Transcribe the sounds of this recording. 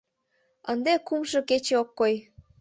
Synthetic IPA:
ənd̪ekumʃɤ̆ket͡ɕeokːoj

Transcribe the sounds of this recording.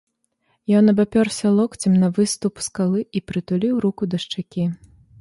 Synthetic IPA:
jɔnːɐbapʲɔrsʲɐlˠɔkt͡sʲɛmnɐvɨst̪upskalˠɨipɾɨt̪ulʲiwɾukud̪ɐʂt͡ʂakʲi

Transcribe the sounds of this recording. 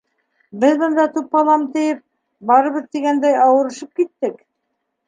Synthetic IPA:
bɘðbɤ̆nd̪ɑt̪upːɑlˠɑmt̪ɘ̆jɘp̚ | bɑɾɤ̆βɤðt̪iɡænd̪æjɑwɤ̆ɾɤ̆ʃɤp̚kit̪ːɘk

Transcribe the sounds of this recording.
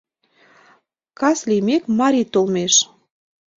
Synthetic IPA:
kɑslijmekmɑɾit̪olmeʃ

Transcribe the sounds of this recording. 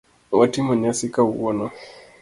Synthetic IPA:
watimɔɲasikauwɔnɔ

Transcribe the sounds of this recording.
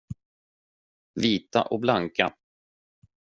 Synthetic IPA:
viːt̪a̰ʔɔk̚blaŋka̰

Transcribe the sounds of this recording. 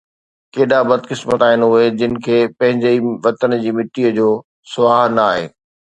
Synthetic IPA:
keːɗabɐd̪ʱkɪsmət̪aːɦɪnɦʊed͡ʑɪnɪ̆kʰeːpɐ̃ɦɪ̃ɲd͡ʑeiʋɐt̪ənd͡ʑiːmɪʈiːəd͡ʑoː | sʊʋaːɦnɐaːɦḛː

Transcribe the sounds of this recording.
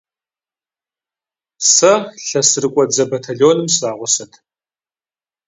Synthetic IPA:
sɐɬɐsɨrɨkʷʼɔd͡zɐbɐtʰaɮoːnɨmsraːʁʷʊsɐtʰ

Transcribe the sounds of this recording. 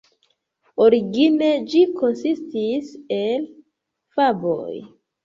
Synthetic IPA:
o̞ɾiɡine̞d͡ʒiko̞nsistisel | fabo̰j

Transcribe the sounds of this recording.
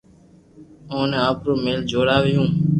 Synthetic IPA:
õːneːaːpɾoːmeːld͡ʒʱoːɾaːʋɪjũː

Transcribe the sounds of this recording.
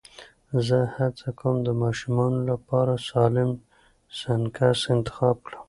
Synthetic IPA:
zəhat͡sakamd̪əmɑʃumɑnolapɑɾasɑlɪm | sankasɪnt̪ɪ̥xɑb̚kɽəm

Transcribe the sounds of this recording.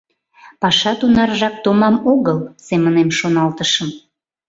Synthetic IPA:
pɑʃɑt̪unɑrʒɑk̚t̪omɑmoɣəlsemənemʃonɑlt̪əʃəm

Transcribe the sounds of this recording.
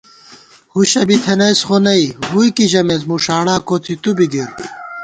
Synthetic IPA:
huɕɐbit̪ʰenɐjsxonɐiɦujkiʑɐmezmuʂaːɽaːkot̪ʰit̪ubid̪iɾ

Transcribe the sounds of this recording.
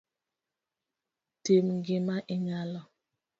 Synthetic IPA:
temŋɡɪmaʔɪɲalɔ

